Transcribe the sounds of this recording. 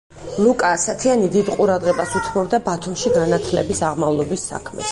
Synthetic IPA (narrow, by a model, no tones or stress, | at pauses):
lˠukʼaːsat̪ʰianid̪id̪qʼuɾad̪ʁɛbasut̪ʰmɔbd̪abat̪ʰumʃiɡanat̪ʰlɛbisaʁmavlˠɔbisːa̰kʰmɛ̰